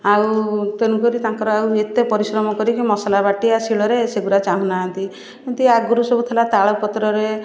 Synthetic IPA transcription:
awt̪enũkɔɾit̪aŋkɔɾɔawet̪epɔɾisɾɔmɔkɔɾikimɔsalabaʈiasiɭɔɾeseɡuɾat͡ʃaɦũnaɦant̪i | kint̪uaɡuɾusɔbut̪ʰalat̪aɭɔpɔt̪ɾɔɾe

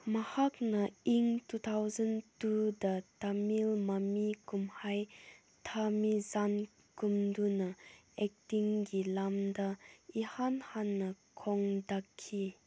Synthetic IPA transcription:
mɐhak̚nɐiŋtut̪ʰawzɐntudɐtamilmamikumhaj | tʰamizan | kumdunɐ | ɛk̚tiŋɡilamdɐihanhanːɐ | kʰɔŋdakʰːi

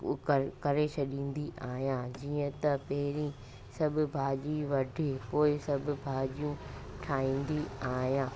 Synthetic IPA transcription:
ɐkɐɾet͡ɕʰɐɗĩːn̆d̪iʔaːɦijãːd͡ʑiːə̃t̪ɐpɐɦɪɾĩ | sɐbʱʊbʱaːʄiʋɐɖʱekoːɪsɐbʱʊ̆bʱaːʄijũʈʰaːĩːnd̪iaːɦjãː

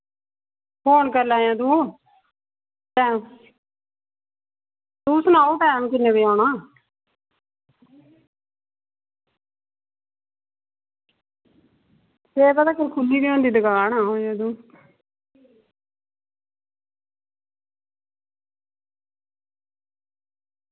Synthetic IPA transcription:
pʰoːnkəɾlãːjãːd̪ũː | t̪ɛ̃ː | t̪ũːsənaːuːʈɛːmkɪnːeːbiːãːnaː | seːbd̪aːkəɾkʰʊlːiːbiõːnd̪iːd̪əɡaːnaːɦõːjãːd̪ũː

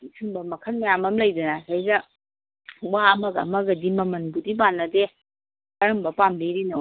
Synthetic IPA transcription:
isʰɯŋbɐmɐkʰɐnmɐjamɐmlɐjdɐnasʰajzɐ | waɐmɐɡaɐ̰mɐɡɐdimɐmɐnbudibanːɐde | kɐɾɐmbɐpamdiɾino

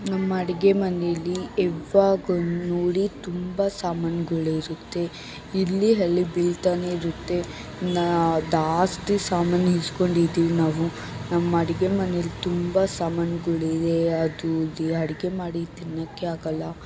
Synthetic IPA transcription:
nɐmːɐɐɽiɡemɐnelːiɛʋːaːɡɐnoːɽit̪umbɐsaːmanɡuɭeiɾut̪ːe̞ | ilːiɦɐlːibilt̪aneiɾut̪ːe̞ | nad̪aːsʈisaːmanɦisko̞ɳɖid̪iːʋinaːʋu | nɐmːɐɐɽiɡe̞mɐnejɐlːit̪umbɐsaːmaːnɐɡuɭed̪eɐd̪uliɐɽiɡe̞maːɽit̪inːɐkːeaːɡɐlːɐ

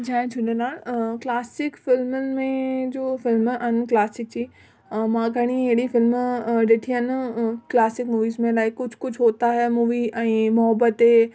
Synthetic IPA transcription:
d͡ʑʱãːd͡ʒʰʊnenaːlklaːsɪkfɪlmənɪ̆mẽd͡ʑoːfɪlmn̆klaːsɪk̚d͡ʑiː | mãɡʱɐɽ̃ieɽifɪlmɗɪʈʰiənklaːsɪkmuːʋiːzmẽlaːɪkːʊd͡ʑʱʰkʊd͡ʑʰʱɦoːt̪aɦɛmuːʋiɛ̃ːmʊɦəbət̪e

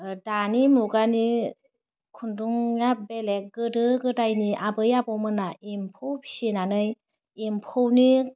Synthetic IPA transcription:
danimuɡani | kʰunduŋjabelek̚ɡɯdɯɡɯdajniʔabɯjabɔmɯnaimpʰowpʰi̥sinanɯj | impʰɯwni

